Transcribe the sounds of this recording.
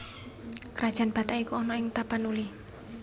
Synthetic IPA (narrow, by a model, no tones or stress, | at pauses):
kəɾʔad̥ʒ̥a̤nb̥a̤t̪aikuɔnɔɪŋt̪apanuli